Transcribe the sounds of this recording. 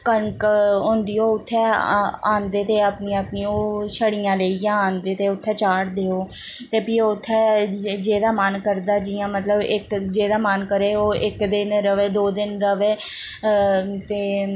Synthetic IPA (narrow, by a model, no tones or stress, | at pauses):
kəɳkɦõːnd̪iːoːʊt̪ʰːɛːaːnd̪eːt̪eːapnijãːəpniːoːʃəɽijãːleːijãːaːnd̪eːt̪eːʊt̪ʰːɛːt͡ʃaːɽd̪eːoː | t̪eːpiːot̪ʰːɛːd͡ʒeːd̪aːmənkəɾd̪aːd͡ʒijãːmət̪ləbɪkd͡ʒeːd̪aːmənkəɾeːoːʔɪkd̪ɪnɾəʋeːd̪oːd̪ɪnɾəʋeː | t̪eː